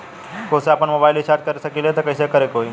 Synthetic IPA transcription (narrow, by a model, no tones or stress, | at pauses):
koseapəɳmobajlit͡ʃaɾt̚kəɾesəkilet̪əkəjsekəɾekoi